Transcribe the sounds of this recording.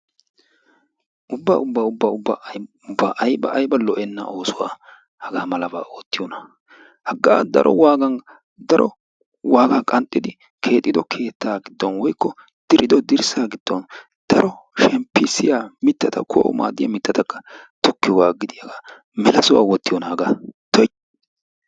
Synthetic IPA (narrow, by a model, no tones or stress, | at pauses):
ʔʊbːa̰ːʊbːaʊbːaʊbːa | ʊbːaːʔɐjbɐ̰ʔːjbɐlɔʔɛnːɐ̰ʔo̞ːsʊwa̰ː | hɐɡaːmɐlɐba̰ːo̞ːt̪ːɪjɔnɐ | hɐɡːaːd̪ɐ̰ɾʔɔ̰waːɡɐŋ | d̪ɐɾɔ | waːɡakʼɐnt̪ʼːɪd̪ɪ | kʰe̞ːt̪ʼːɪd̪ɔkʰe̞ːt̪ːaːɡɪd̪ːɔnwɔjkːɔ | d̪̥ɪɾʔɪd̪ɔd̪ɪɾsaːɡɪd̪̥ːɔn | d̪̥ɐɾʔɔʃɛmpːɪsɪjamɪt̪ːɐt̪ɐkʰo̰ːʔɔ̰ma̰ːd̪ɪjamɪt̪ːɐt̪ɐkːɐ̥t̪ɔkːɪjwaːɡɪd̪ɪjɐɡa | mɛlɐsʊwa̰ːwɔt̪ːɪjɔnɐhɐɡaːt̪ɔ